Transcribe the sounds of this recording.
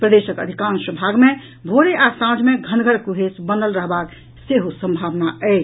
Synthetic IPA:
pɾəd̪esəkə̰d̪ʱikãnsəbʱaɡme | bʱoɾeʔasãd͡ʒmeɡʱənɡʱəɾkuɦesbənd̪əlɾəɦbak | seɦusə̃mbʱaʋnaə

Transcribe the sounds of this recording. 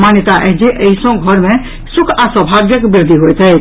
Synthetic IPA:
manjət̪aʔɛd͡ʒeʔəɦisə̃ɡʱɔɾmẽ | sukʰasəbʱaɡjəkbɪɾd̪ʱiɦojt̪ʰɛjt

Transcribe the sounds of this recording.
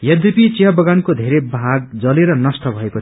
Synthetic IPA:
jʌd̪ipit͡siɦʌbʌɡankod̪ʱeɾebʱaɡ̚d͡zʌleɾʌnʌst̪ʌbʱʌeko

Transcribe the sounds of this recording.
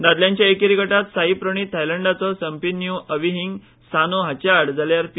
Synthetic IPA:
d̪ad̪ljãɲt͡ɕjaekiɾikəʈat̪saɦipɾəɳ̃iːt̪ʰajləɳɖat͡sɔsəmpinjuəʋiɦiŋɡ | sanoɦat͡ɕaɽd͡zʱaljaɾpi

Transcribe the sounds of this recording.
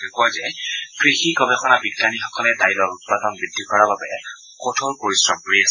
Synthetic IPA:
ɛkɔjzɛkɹixikɔbɛxʰɔnabiɡːanixɔkɔlɛdailɔɹut̚padɔnbidʱːikɔɹababɛ | kotʰoɹpoɹisɹɔbɹias

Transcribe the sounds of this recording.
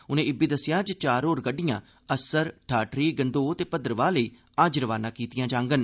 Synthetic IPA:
ʊnẽːɪbiːd̪əsːɪjãːd͡ʒt͡ʃaːɾoːɾɡəɖːɪjãː | əsəɾʈʰaːʈɾiːɡənd̪oːt̪eːpəd̪ɾəʋaːləiː | ad͡ʒɾəʋaːnãːkiːt̪ɪjãːd͡ʒãːŋɡən

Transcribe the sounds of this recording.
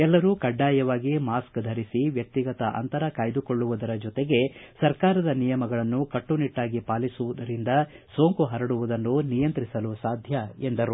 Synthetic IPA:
ɛlːɐɾukɐɖːaːjɐʋaːɡimaːskd̪ʱɐɾisiʋjɐk̚t̪iɡɐt̪ɐʔɐ̰nt̪ɐɾɐkaːjd̪uko̞ɭːuʋud̪ɐɾɐd͡ʒɔt̪eɡe̞sɐɾkaːɾɐd̪ɐnijɐmɐɡɐɭɐnːukɐʈːuniʈːaːɡipaːlisuʋud̪ɐɾind̪ɐsoːŋkuɦɐɾɐɽuʋud̪ɐnːunijɐnt̪ɾisɐlusaːd̪ʱjɐend̪ɐɾu

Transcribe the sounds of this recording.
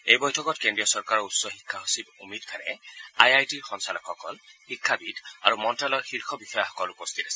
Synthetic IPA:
ejbɔjtʰɔkɔtkendiɔsɔɹkaɹɔɹutsɔxikʰːaɦosibumitkʰanɛ̰ajajtiɹxɔnsalɔkʰːɔkɔ̰lxikʰːabida̰ɹumɔntɹalɔɹxiɹxʰɔbixɔjaxɔ̥kɔlupostʰitasɛ

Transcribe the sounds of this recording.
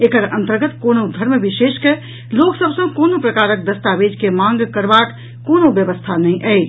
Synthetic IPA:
ekəɾə̃nt̪əɾɡət̪konod̪ʱəɾmbiʃeːʃke | loksəbsə̃konopɾəkaːɾək̚d̪əst̪aʋed͡ʒkemãŋɡkəɾbak | koːnobjəʋəst̪ʰanəĩʔɛɪ

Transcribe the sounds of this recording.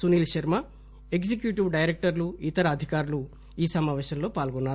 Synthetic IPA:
suniːlʃɐɾma | eksekjuʈiʋɖɐjɾek̚ʈɐɾluit̪ɐɾɐːd̪ʱikaːɾulu | iːsɐmaːʋɛːʃɐmlo̞ːpaːlɡonːaːɾu

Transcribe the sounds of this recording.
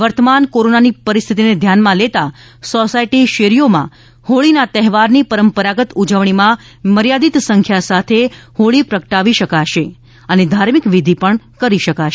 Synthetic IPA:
ʋəɾt̪əmankoɾonanipəɾist̪ʰit̪ined̪ʱjanmãlet̪a | sosaiʈiʃeɾijomã̰ | hoɭinat̪ɛɦɛʋaɾnipəɾəmpəɾaɡət̪ud͡ʒəʋɳimã | məɾjad̪it̪sə̃ŋkʰjasat̪ʰehoɭipɾəkəʈaʋiʃəkaʃe | əned̪ʱaɾmikʋid̪ʱipəɳ | kəɾiʃəkaʃe

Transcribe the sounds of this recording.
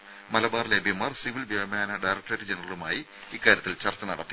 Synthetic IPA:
mɐlɐbaːrlebʱjɐmaːrsiʋilbjɐmaːnɐɖajrɐk̚ʈreɾd͡ʑenɐrɐlumaːji | ikːaːɾjɐt̪ːilt͡ɕɐrt̪ːɐnɐɽɐt̪ːi

